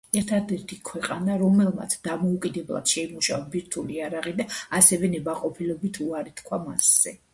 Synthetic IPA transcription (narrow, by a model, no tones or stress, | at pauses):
ɛɾt̪ʰad̪ɛɾt̪ʰikʰwɛqʼanaɾɔmɛlˠma̰t̪sʰd̪̥amɔukʼid̪ɛblˠa̰d̪̥ʃɛimuʃavabiɾt̪ʰuliaɾaʁid̪aasɛvɛnɛbaqʼɔpʰilɔbit̪ʰuaɾit̪kʰwamasz̥ɛ